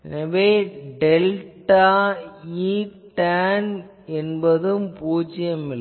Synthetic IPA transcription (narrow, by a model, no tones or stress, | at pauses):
ɛnɐʋeːɖɛlʈaːiː | ʈaːn | ɛnbɐðɯmpuːt͡ʃːɪjɐmɪlː